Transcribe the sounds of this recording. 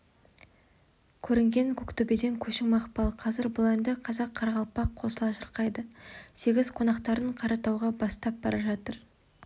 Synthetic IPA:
kʲʰɵɾɪŋɡʲe̞ŋkʲʰʊkt̪ʊbed̪e̞ŋkʲʰɵʃɪŋmɑχpɑlˠqʰɑzɪɾbʊlˠɑjnd̪əqʰɑzɑqʰːɑɾʁɑlˠpɑqʰo̞səlˠɑʃəɾqɑjd̪əse̞ɡʲɪz̥qʰo̞nɑqt̪ɑɾəɴqʰɑɾɑt̪ɑwʁɑbɑst̪ɑp̚bɑɾɑʒɑt̪əɾ

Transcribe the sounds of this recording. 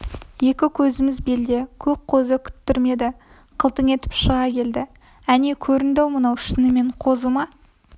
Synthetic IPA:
je̞kʲɪkʲʰɵzɪmɪzbe̞ld̪e̞kʲʰɵp̚qʰozəkʲʰʏ̥t̪ːɪɾme̞d̪ɪ | qʰəlˠt̪əŋe̞t̪ɪ̥pʃəʁɑkʲʰe̞ld̪ɪ | æne̞kʲʰɵɾɪnd̪ewmənɑwʃɪnɪme̞ɴqʰo̞zəmɑ

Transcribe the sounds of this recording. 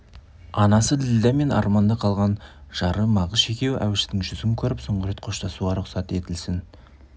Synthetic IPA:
ɑnɑsəd̪ɪlɪd̪æme̞nɑ̰ɾmɑnd̪ɑqʰɑlˠʁɑnʒ̥ɑɾəmɑʁəzʃe̞kʲe̞wʔæ̰wɪʃt̪ɪŋʒʏzɪŋkʲʰɵɾɪpso̞ɴʁəɾe̞t̪qʰo̞ʃt̪ɑsuɑɾʊqsɑt̪e̞t̪ɪlsɪn

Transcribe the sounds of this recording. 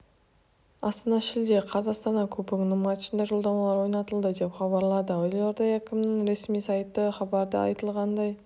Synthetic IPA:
ɑst̪ɑnɑʃɪld̪e̞qʰɑzɑqst̪ɑnɑkʲʰɵpɪknəmɑt̪ʃənd̪ɑʒo̞lˠd̪ɑmɑlˠɑɾwo̞jnɑt̪əlˠd̪əd̪e̞pχɑβɑɾlˠɑd̪əojlˠoɾd̪ɑjækʲɪmnɪŋɾe̞smijsɑjt̪ːəχɑbɑɾd̪ə̰ɑ̰jt̪əlˠʁɑnd̪ɑj

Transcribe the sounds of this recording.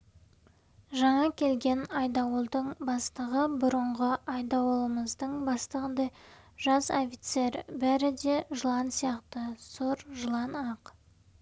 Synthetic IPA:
ʒɑɴɑkʲʰe̞lɡʲe̞nɑjd̪ɑwəlˠd̪əɴbɑst̪əʁəbʊɾəɴʁəɑjd̪ɑwlˠəməzd̪əɴbɑst̪əʁəd̪ɑj | ʒɑzofʲit̪se̞ɾbæɾɪd̪e̞ʒəlˠɑnsijɑqt̪əsoɾʒəlˠɑnɑq

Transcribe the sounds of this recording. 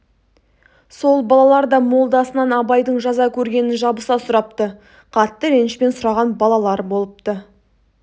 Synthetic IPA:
so̞lˠbɑlˠɑlˠɑɾd̪ɑmo̞lˠd̪ɑsənɑnɑbɑjd̪əɴʒɑzɑkʲʰɵɾɡʲe̞nɪnʒɑbəsɑsʊɾɑp̚t̪ə | qʰɑt̪ːəɾenʃpe̞nsʊɾɑʁɑnbɑlˠɑlˠɑɾbo̞lˠəp̚t̪ə

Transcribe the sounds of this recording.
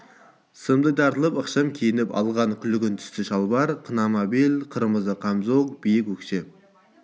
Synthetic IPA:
səmd̪əjd̪ʰɑɾt̪əlˠəpəqʃɑmkʲʰejɪnɪpɑ̰lˠʁɑŋkʲʰʏlɪɡʲɪnt̪ʰʏ̥st̪ɪʃɑlˠbɑɾqʰənɑmabilqʰəɾməzəqʰɑmzoq̚b̥ijɪkʲwɵkʃe

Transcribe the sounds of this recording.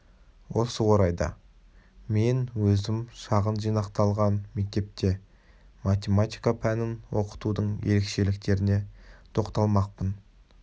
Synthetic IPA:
wʔo̞səwo̞ɾɑjd̪ɑ̰ | me̞nwɵzɪmʃɑʁənʒijnɑqt̪ɑlˠʁɑnme̞k̚t̪e̞p̚t̪e̞ | mat̪ʲe̞mat̪ʲijkapʰænɪnwo̞̰qə̥t̪ud̪əɴje̞̰ɾe̞kʃe̞lɪkt̪e̞ɾɪne̞t̪ʰo̞qt̪ɑlˠmɑq̚pən

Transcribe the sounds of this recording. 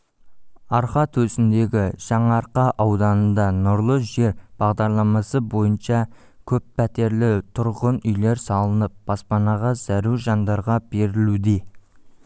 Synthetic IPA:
ɑɾχɑt̪ʰɵsɪnd̪e̞ɡʲɪʒ̥ɑɴɑɾqɑʔɑwd̪ɑnənd̪ɑnʊɾlˠəʒe̞ɾb̥ɑʁd̪ɑɾlˠɑmɑsəbo̞jənʃɑ | kʲʰɵpːʰæt̪e̞ɾlɪt̪ʰʊɾʁənʏjle̞ɾsɑlˠənəp̚b̥ɑspɑnɑʁɑzæɾuʒɑnd̪ɑɾʁɑb̥e̞ɾɪlud̪e̞

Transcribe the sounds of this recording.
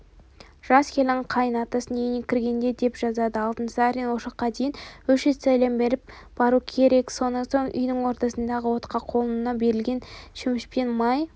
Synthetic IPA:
ʒ̥ɑskʲʰe̞lɪɴqʰɑjənɑt̪ɑsənejɪnekʲʰɪɾɡʲe̞nd̪e̞d̪e̞pʒ̥ɑzɑd̪əɑlˠt̪ənsɑɾinwo̞ʃɑqːɑd̪ejɪnwɵʃezt̪ʰæjlɑmbe̞ɾɪp̚ | b̥ɑɾukʲʰe̞ɾe̞kso̞nso̞ɴʏ̰jnɪŋwo̞ɾt̪ɑsənd̪ɑʁəwo̞t̪qɑqʰo̞lˠənənɑbe̞ɾɪlɡʲe̞nʃɪmɪʃpenmɑj

